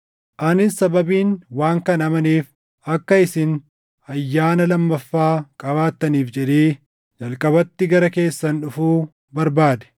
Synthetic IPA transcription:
ʔɐnɪssɐbɐbiːnwaːŋkɐnɐmɐniːf | ɐkːɐɪsɪn | ɐjːaːnɐlɐmːɐfːaːkʼɐβaːt̪ːɐniːfd͡ʒɛᶑ̪eː | d͡ʒɐlkʼɐbɐt̪ːɪɡɐɾɐke̞ːsːɐnᶑʊfuː | bɐɾbaːd̪ɛ̥

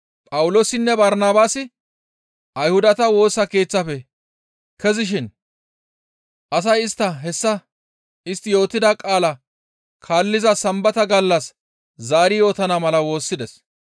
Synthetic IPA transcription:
pʼɐwʊlo̞ːsɪnːɛbɐɾnaːbaːsɪ | ʔɐjhʊd̪ɐt̪ɐwo̞ːsːɐke̞ːt͡sːɐfɛ | kɛzɪʃ̬ɪn | ʔɐs̬ɐjɪst̪ːɐɦɛsːɐ | ɪst̪ːɪjo̞ːt̪ːɪd̪ɐkʼaːlɐ | kʰaːlːɪzɐsɐmbɐt̪ɐɡɐlːɐs | zaːɾɪjo̞ːt̪ɐnɐmɐlɐwo̞ːsːɪd̪ɛs

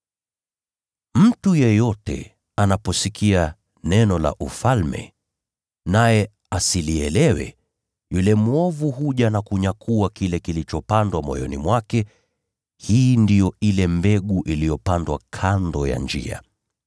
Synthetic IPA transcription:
m̩tujɛjɔtɛ̰ | anapɔsikʰia | nɛnɔla̰ʔufalmɛ̰ | najɛ | asiliɛlɛwɛ̰ | julɛmwɔvuɦuʄanakuɲakʰuakilɛkilit͡ʃɔpandwamɔ̰jɔ̰nimwakɛ | hiːndijɔilɛmbɛɠuʔilijɔpandwa̰kʰandɔja̰nd͡ʒḭa̰

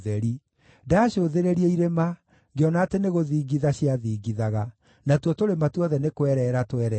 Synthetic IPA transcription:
ðɛɾi | daːɕoːðeɾeɾieiɾema | ɡeɔnaːteneɣoðiːɡiðaɕiaðiːɡiðaɣa | natwɔtoɾematuɔðɛnekwɛɾɛɾatwɛɾɛ

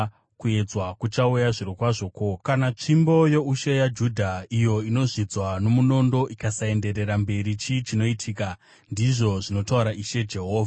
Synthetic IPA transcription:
kue̞d͡zwakut͡ʃaujaʐiɾokwaʐo̞ːko̞kanat͡ʂimbo̞jo̞uʃe̞jad͡ʒudʱaijo̞ino̞ʐid͡zwano̞muno̞ndo̞ʔikasae̞nde̞ɾe̞ɾambe̞ɾit͡ʃit͡ʃino̞itʰika | ndiʐo̞ʐino̞tauɾaʔiʃe̞d͡ʒe̞ɦo̞ːvʱa

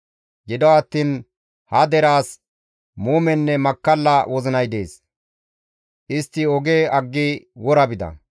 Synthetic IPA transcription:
ɡɪd̪ɔɐt̪ːiːn | hɐd̪ɛɾaːs | muːmɛnːɛmɐkːɐlːɐwɔzɪnɐjd̪e̞ːs | ʔɪst̪ːɪɔɡe̞ːɐɡːɪwɔɾɐbɪd̪ɐ̰

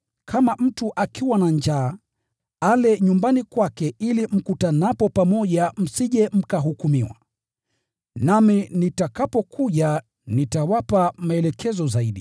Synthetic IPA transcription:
kʰamam̩tuʔakiwanaɲd͡ʒaː | alɛɲumbanikwakɛilim̩kutanapɔpamɔʄam̩siʄɛm̩kaɦukumiwa̰ | naminitakapɔkʰuʄa | nitawapamaɛlɛkʰɛzɔzaiɗi

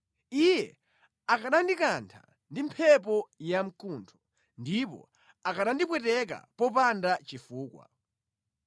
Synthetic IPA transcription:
ijɛ | akaɗandikantʰa̰ | ndimpʰɛp̬ɔjam̩kuntʰɔ̥ | ndip̬ɔ̰ | akaɗandipwɛtɛk̬a̰pɔp̬andat͡ʃifuːkwa̰

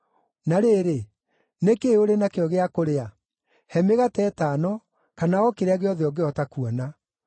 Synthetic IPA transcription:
naɾeːɾe | nekeoɾenakeɔɣeakoɾea | hɛmeɣatɛːtaːnɔ | kanaɔkeɾeaɣeɔðɛɔɡeɔtakuɔna

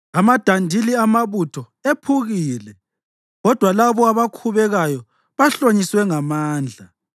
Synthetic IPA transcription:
amad̥ʱandʱiliamaβutʰɔ | epʰuɣiːlɛ | ɣɔd̥ʱwalaβɔaβakʰuβɛɣajɔ | βaɬoɲiswɛŋamaːnd͡ɮʱa

